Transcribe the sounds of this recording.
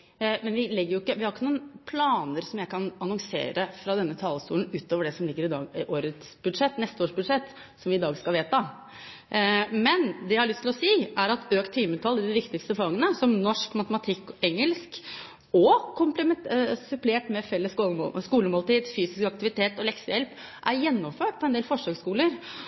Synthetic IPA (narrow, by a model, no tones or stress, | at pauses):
mɛnʋɪlɛɡːəɾjʊɪkːəʋɪhɑɾɪkːənuːənpʰlɑːnəɾsɔmjæɪkʰɑnɑnɔŋsḛːɾəfɾɑd̪ɛnːət̪ʰɑːləst̪ṵːnʉːt̪oːʋəɖɛsɔmlɪɡːəɾɪd̪ɑ̰ːɡʔoːɾət̪sbʉd̪ʂɛt̪ːnɛst̪əoːʂbʉd̪ʂɛt̪ː | sɔmʋɪɪd̪ɑːɡskɑlʋeːt̪ɑ | mɛnd̪ɛæhɑɾɭʏst̪lɔsiːæɾɑt̪øːkt̪ʰːiːmət̪ʰɑlːɪd̪ɪʋɪkt̪ɪkst̪əfɑŋːənəsɔmnɔʂkmɑt̪əmɑt̪ʰɪkːɛŋːəlsk | ɔkʰʊmpləmɛsʉpleːʈmɛfɛlːəsoskuːləmɔlt̪iːd̪fyːsɪskɑkt̪ɪʋɪt̪ʰeːt̪ɔlɛksəjɛlp | ʔæɾjɛnːɔmføːʈ̚pʰɔɛnd̪eːlfɔʂɑɡskuːləɾ